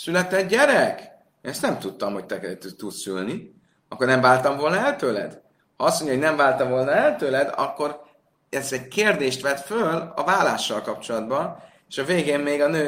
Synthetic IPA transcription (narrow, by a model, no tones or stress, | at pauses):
sylɛt̪ɛd̪ɟɛɾɛkː | nɛst̪nɛmt̪ut̪ːɒmho̞c̚t̪ɛkɛt̪yt̪ut̪sy̰lni | ɒkːornɛɱvaːlt̪ɒɱvo̞lnɒɛlt̪øːlɛ̰d̪ | hɒɒstmo̞ɲɟɒɦoɟnɛɱvaːlt̪ɒɱvo̞lnɒɛlt̪øːlɛd̪ɒ̰kːo̞r | ɛst̪ɛɟkeːrd̪eːʃt̪ʋɛt̪følɒ̰vaːlːaːʃːɒlkɒp̚t͡ʃo̞lɒd̪bɒn | eːʃɒveːɡeːmmeːɡɒnøː